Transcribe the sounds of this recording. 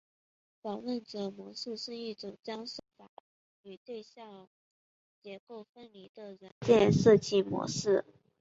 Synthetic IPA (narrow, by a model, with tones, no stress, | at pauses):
fɑ˨˩ŋwə˥˩nʈ͡ʂɤ˨˩mwɔ˧˥ʂɻ̩˥˧ʂɻ̩˥˧i˥˩ʈ͡ʂʊ˨˩ŋt͡ɕjɑ˥ŋʂo˥˩fa˨˩˦ | y˨˩t̪we˥˧ɪɕjɑ˥˩ŋ | t͡ɕjɛ˧˥ko˥˩ʊfə˥nli˨˩d̪ə˧ɻə˧˥nt͡ɕjɛ˥˧nʂɤ˥˧t͡ɕi˥˩mwɔ̰˧˥ʂɻ̩˥˩